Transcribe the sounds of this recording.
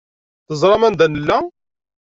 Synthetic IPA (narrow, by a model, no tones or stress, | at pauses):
θəzˤɾˤɑmænd̪ænəlːæ